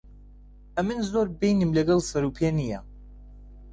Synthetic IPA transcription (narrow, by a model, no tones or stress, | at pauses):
ɐmɨnzoɾbejnɨmlɐɡɐlsɐɾupʰenija